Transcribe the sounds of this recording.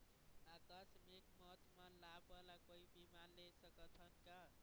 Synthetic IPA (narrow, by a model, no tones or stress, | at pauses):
akəsmikmʌɦt̪malabəlakoibimanlesəkət̪ʰʌnka